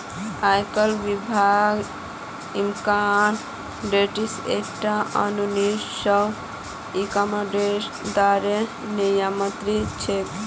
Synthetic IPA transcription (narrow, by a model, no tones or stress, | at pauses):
ajkəlbibʱaɡ | imkan | ɖeʈisḛkʈaə̰nunisəw | ikamaɖeɾ | d̪aɾe | nəjamənt̪ɾit͡ʃʰet̪